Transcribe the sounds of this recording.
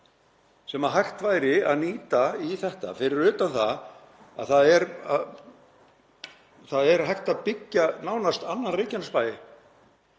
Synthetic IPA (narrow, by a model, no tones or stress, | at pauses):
sɛmaɦajxt̪vaːjɾɪa̰ðniːt̪aiθɛht̪a̰fɪɾɪɾʏːt̪anθa | a̰ðθaðɛɾa | θaðɛɾɦajht̪aðpɪcːanaːwnast̪anːanrɪːcanspaːjɪ